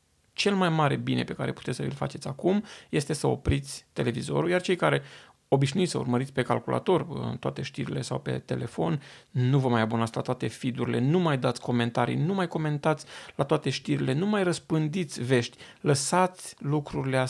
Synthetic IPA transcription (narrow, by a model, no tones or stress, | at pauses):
t͡ʃe̞lmajmaɾe̞bine̞pe̞kaɾe̞pu̥t̪esəilfa̰t͡ʃe̞t̪sʲakumje̞st̪e̞səo̞̰pɾit̪sʲt̪e̞le̞vizo̞̰ɾujart͡ʃe̞jkaɾe̞ | o̞biʃnuit̪sə̰ṵrməɾit̪sʲpe̞kalkulʔa̰t̪o̞rɨ̰nt̪oa̰t̪e̞ʃt̪iɾile̞sawpe̞̰t̪e̞̰le̞fo̞nːuvəmajabonat̪sʲlat̪oat̪efid̪uɾile̞̰numajd̪at̪sʲko̞me̞nt̪aɾḭnumajko̞me̞nt̪at̪sʲlat̪oat̪e̞ʃt̪iɾile̞numajrəspɨnd̪it̪sʲve̞ʃt̪ʲləsat̪sʲlukɾuɾilea